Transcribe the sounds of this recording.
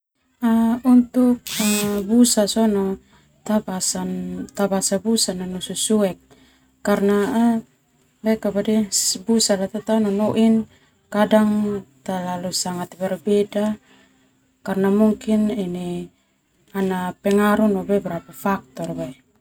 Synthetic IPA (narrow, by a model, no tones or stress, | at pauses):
aunt̪uk̚abusasɔna | t̪abasant̪abasabusananɔsusuɛkː | arna | lɛkabadɛbusalat̪at̪ananɔʔin | kadaŋt̪alalusaŋat̪bɛrbɛda | karnamuŋkinini | anapɛŋaɾunɔbɛbɾapafak̚t̪ɔrba